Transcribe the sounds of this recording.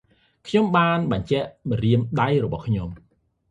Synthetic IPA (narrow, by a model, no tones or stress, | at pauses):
kʰɲomɓaːnɓɑɲt͡ɕɛʔɓɑɾiəmɗajrɔɓɑhkʰɲom